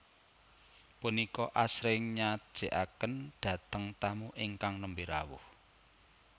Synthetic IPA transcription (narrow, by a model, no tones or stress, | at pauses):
punikɔʔasɾɪŋɲḁʒ̥e̤ʔakənɖ̥ä̤t̪əŋt̪amuʔiŋkaŋnəmbiɾa̰wʊ̰h